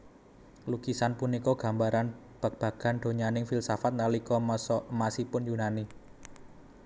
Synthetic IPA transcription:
lukisanpunikɔɡ̥ä̤mbaɾan | b̥ä̤k̚b̥a̤ɡ̥a̤nɖ̥o̤ɲanɪŋfilsafat̪̚nalikɔmsɔmasipʊnjunani

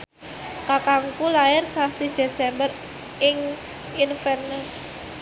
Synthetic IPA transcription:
kakaŋkulaɪrsasid̥e̤sɛmbər | ɪŋ | infɛrnəs

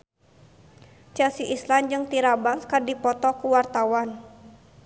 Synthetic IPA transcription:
t͡ʃɛlsiʔisland͡ʒɨŋt̪iɾabaskadipɔt̪ɔkuwart̪awan

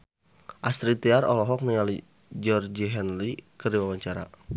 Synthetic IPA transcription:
ʔast̪ɾit̪iarɔ̰lɔɦɔk̚niŋali | d͡ʒɔrd͡ʒiɦɛnlikərdiwawaɲt͡ʃaɾa̰

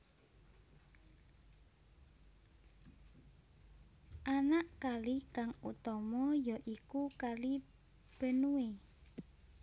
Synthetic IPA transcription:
ʔanaʔkalikaŋṵt̪ɔmɔjɔʔikukali | b̥ənue

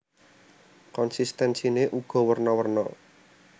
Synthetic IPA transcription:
kɔnsist̪ɛnsineʔuɡ̥ɔ̤wərnɔwərnɔ

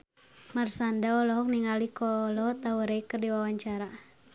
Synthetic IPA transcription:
marsandaɔlɔɦɔk̚niŋalikɔːlɔɔt̪auɾeikərdiwawaɲt͡ʃaɾa

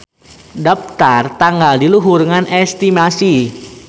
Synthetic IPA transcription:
dɔp̚t̪art̪aŋɡaldiluɦuɾŋanɛst̪imasi

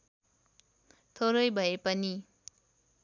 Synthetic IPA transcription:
t̪ʰoɾʌjbʱʌepʌni

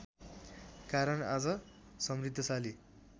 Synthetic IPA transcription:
kaɾʌna̰d͡zʌ | sʌmrit̪ːjʌsali

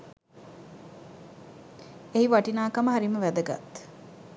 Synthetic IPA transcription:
eɦiʋaʈinaːkaməɦaɾiməʋæd̪əɡa̰t̪

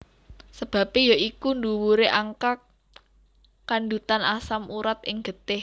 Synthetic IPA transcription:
səb̥ä̤pejɔikunduwuɾeʔaŋkak | andut̪anasamʔuɾat̪ɪŋɡ̥ə̤t̪ɪh

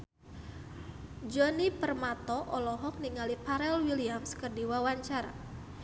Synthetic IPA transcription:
d͡ʒɔnipərmat̪ɔʔɔlɔɦɔk̚niŋalipaɾɛlwiliamskərdiwawaɲt͡ʃaɾa̰

